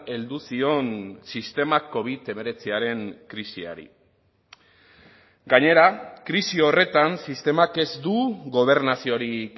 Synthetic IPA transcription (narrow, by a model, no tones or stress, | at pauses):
e̞ld̪usio̞nsist̪e̞mako̞β̞it̪e̞me̞ɾe̞t͡siaɾe̞ŋkɾisia̰ɾḭ | ɡaɲe̞ɾakɾisio̞re̞t̪ansist̪e̞make̞zd̪uɣo̞β̞e̞ɾnasio̞ɾik